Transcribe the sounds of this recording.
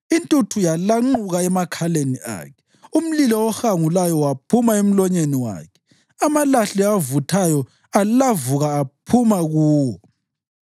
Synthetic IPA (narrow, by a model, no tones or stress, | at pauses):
intʼutʰujalaŋ͡ǃuɣaɛmakʰaleniʔa̰ːkʰɛ̥ | um̩lilɔɔxaŋulajɔwapʰumaem̩lɔɲeniwa̰ːkʰɛ̥ | amalaɬivutʰajɔ | allavuɣaːpʰumaɣuːwɔ